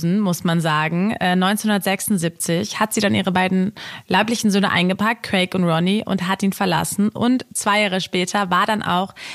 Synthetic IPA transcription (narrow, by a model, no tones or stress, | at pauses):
n̩mʊsmanzaːɡŋ̩ʔɛːnɔʏntt͡senhʊndɐtz̥ɛksʊntzip̚t͡sɪçhatz̥iːdanʔiːʁ̞əbaɪdn̩laɪplɪçn̩zøːnəʔa̰ɪnɡəpʰak̚t̚kʁ̥ɛɪkʊntʁɔniʔʊ̰ntɦatʔiːnfɛɐla̰sn̩ʔʊ̰ntt͡sv̥aɪjaːʁəʃpɛːtʰɐvaːɐdanʔa̰ʊx